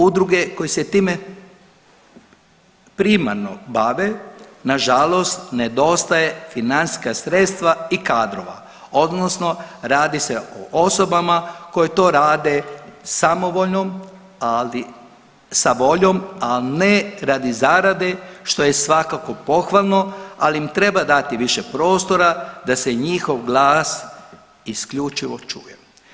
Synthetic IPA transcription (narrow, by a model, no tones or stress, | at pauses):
ud̪ɾuɡe̞ko̞jeset̪iːme | pɾima̰ɾno̞̰baʋenaʒalˠo̞st̪ned̪o̞st̪aje̞finansi̥skasɾet̪st̪ʋaikaːd̪ɾo̞ʋa̰ | o̞d̪nosno̞ɾaːd̪iseoʔoso̞bamako̞jet̪o̞ːɾaːd̪e̞samo̞ʋo̞ʎnom | ali | saʋo̞ʎo̞malneɾad̪izaɾad̪eʃt̪o̞je̞sʋakako̞po̞xʋalˠno̞aliimt̪ɾe̞bad̪at̪iʋiʃepɾo̞ːst̪o̞ɾad̪aseɲixo̞ʋɡlˠaːs | iskʎut͡ʃiʋo̞t͡ʃṵje